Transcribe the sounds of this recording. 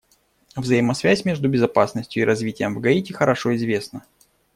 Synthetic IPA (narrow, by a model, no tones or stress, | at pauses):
vzəjɪmɐsvʲæsʲmʲe̞ʐd̪ʊbʲɪzɐpasnəsʲtʲjʊɪɾʔɐzvʲitʲɪjəmvɡɐitʲɪxəɾɐʂo̞ɪzvʲe̞snə